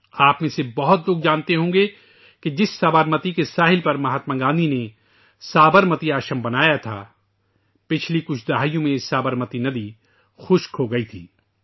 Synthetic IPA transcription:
aːpmẽsebɐɦʊt̪̚loːɡ̚d͡ʒãːnt̪eɦõːɡe | ked͡ʒɪsːaːbəɾmət̪ikesaːɦɪlpɐɾmɐɦaːt̪mãːɡãːnd̪ʱine | saːbəɾmət̪iaːʃəmbɐnaːjat̪ʰa̰ː | pɪt͡ʃʰlikʊt͡ʃʰd̪ɐɦaːijõmẽsaːbəɾmət̪inɐd̪i | xʊʃkɦoɡɐit̪ʰḭː

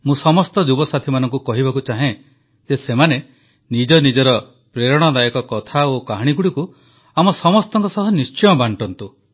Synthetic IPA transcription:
mũsɔmɔst̪ɔd͡ʒubɔsat̪ʰimanɔŋkukɔɦibakut͡ʃaɦẽ | d͡ʒesemane | nid͡ʒɔnid͡ʒɔɾɔ | pɾeɾɔɽ̃ɔd̪ajɔkɔkɔt̪ʰaokaɦɽ̃iɡuɽiku | amɔsɔmɔst̪ɔŋkɔsɔɦɔnist͡ʃɔjɔbaɳʈɔnt̪u

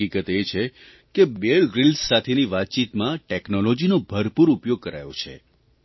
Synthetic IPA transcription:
ikət̪et͡ʃʰe | kebeɭɡɾilssat̪ʰeniʋat̪̚t͡ʃit̪mãʈeknolɔd͡ʒinobʱəɾpuɾupjoɡ̚kəɾa̰jo̰t͡ʃʰḛ

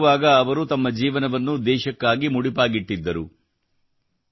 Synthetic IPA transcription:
ʋaːɡɐːʋɐɾut̪ɐmːɐd͡ʒiːʋɐnɐʋɐnːud̪ɛːʃɐkːaːɡimuɽipaːɡiʈːid̪ːɐɾu

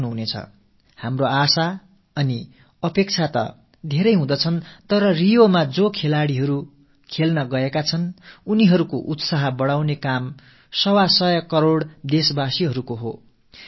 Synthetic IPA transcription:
nuɦunet͡sʰʌ̰ | hamroasa | ʌni | ʌpek̚t͡sʰat̪ʌ̰ | d̪ʱeɾʌjɦũd̪ʌt͡sʰʌnt̪ʌɾʌrijomad͡zokʰelaɽiɦʌɾu | kʰelnʌɡʌekat͡sʰʌnuniɦʌɾukoʔut̪saɦʌbʌɽawnekam | sʌwasʌjʌkʌɾoɽd̪esbasiɦʌɾukoɦo

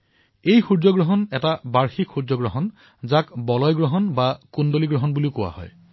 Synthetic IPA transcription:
ejxuzɔɡɹɔɦɔnɛtabaɹxikxuɹzɔɡɹɔɦɔn | zakbɔlɔjɡɹɔɦɔnbakundoliɡɹɔɦɔnbuliʊkʊwa̰hɔ̰j

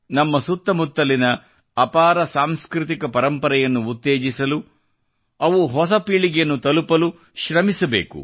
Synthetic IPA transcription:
nɐmːɐsut̪ːɐmut̪ːɐlinɐ | ɐpaːɾɐsaːmskɾit̪ikɐpɐɾɐmpɐɾɛjɐnːuːt̪ːeːd͡ʒisɐlu | ɐʋuɦɔsɐpiːɭiɡjɐnːut̪ɐlupɐlu | ʃɾɐmisɐbeːkṵ

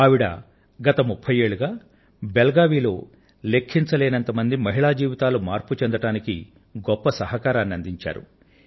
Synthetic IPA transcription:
ɐʋiɽɐ̰ | ɡɐt̪ɐmupʰːɐje̞ːɭuɡaː | belɡaːʋiːlo̞ː | le̞kʰːint͡ʃɐlɛːnɐnt̪ɐmɐnd̪imɐɦiɭaːd͡ʒiːʋit̪aːlumaːɾput͡ʃend̪ɐʈaːniki | ɡɔpːɐsɐɦɐkaːɾaːnːiɐnd̪iɲt͡ʃa̰ːɾṵ

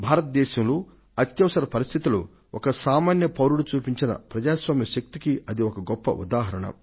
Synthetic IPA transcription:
bʱaːɾɐt̪̚d̪ɛːʃɐmloː | ɐt̪jɐʋɐsɐɾɐpɐɾist̪ʰit̪ulu | ʔɔkɐsaːmaːnjɐpɐwɾuɽut͡ʃuːpiɲt͡ʃinɐ̰pɾɐd͡ʒaːsʋaːmjɐʃɐk̚t̪ikiɐd̪iɔkɐɡɔpːɐ̰ʔṵd̪aːɦɐɾɐɳɐ̰

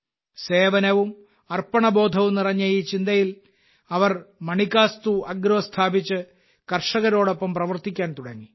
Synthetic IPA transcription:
se̞ːʋɐnɐʋum | ɐrpɐɳɐbo̞ːd̪ʱɐʋumnirɐɲːɐjiːt͡ɕind̪ɐjil | ɐʋɐrmɐɳikːaːst̪uɐɡɾɐʋɐst̪ʰaːbit͡ɕːɨ | kɐrʂɐɣɐɾo̞ːɽo̞pːɐmprɐʋɐrt̪ikʲːaːnt̪uɽɐŋːi

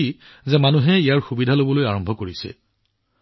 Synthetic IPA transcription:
i | zɛmanuɦɛijaɹxubidʱalobɔlojaɹɔmbʱɔkoɹisɛ̰

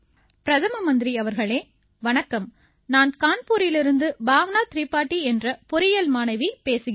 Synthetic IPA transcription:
pɪɾɐðɐmɐmɐnd̪ɪɾiɐʋɐɾɣɐɭeː | ʋɐɳɐkːɐm | naːnkaːnpuːɾɪjlɪɾɯnd̪ɯbʱaːʋɐnaːt̪ɪɾiːpːaːʈːiɛndrɐpʊɾɪjɐlmaːnɐɪʋipeːsɯɣ

